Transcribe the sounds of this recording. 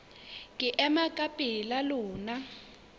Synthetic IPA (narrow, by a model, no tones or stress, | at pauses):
ŋkʼɪʔɛmakʼapʼilalʊːna